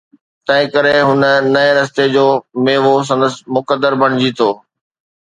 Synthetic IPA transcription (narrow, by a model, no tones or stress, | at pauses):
t̪ɐ̃ɦɪ̃kɐɾeɦʊnənɐẽɾɐs̬t̪ed͡ʑoːmeːʋos̬ɐ̃nd̪əsɪ̥̆mʊkəd̪ːəɾbʱɐɽ̃ɪd͡ʑit̪ʰoː